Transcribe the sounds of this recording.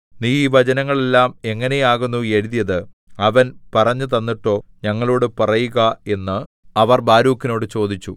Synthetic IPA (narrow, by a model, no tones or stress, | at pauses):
niːʋɐd͡ʑɐnɐŋːɐɭe̞lːaːme̞ŋːɐne̞jaːɣunːue̞ɻuðijɐðɨ | ɐʋɐnpɐrɐɲːɨt̪ɐnːiʈːo̞ːɲɐŋːɐɭo̞ːɽɨpɐrɐjuɣɐe̞nːɨ | ɐʋɐrbaːɾuːkːino̞ːɽɨt͡ɕo̞ːd̪it͡ɕːu